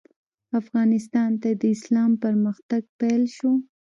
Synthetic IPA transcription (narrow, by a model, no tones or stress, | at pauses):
afɣɑnɪs̬t̪ɑnt̪ad̪əɪslɑmpəɾməxt̪aɡpajlʃo